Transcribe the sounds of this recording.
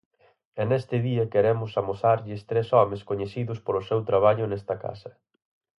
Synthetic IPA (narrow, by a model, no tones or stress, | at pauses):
ɛnest̪ɪðiɐkeɾɛmʊsamoθaɾʎɪst̪ɾɛsɔmɪskoɲeθiðʊspolʊsewt̪ɾaβ̞aʎʊnɛst̪ɐka̰sɐ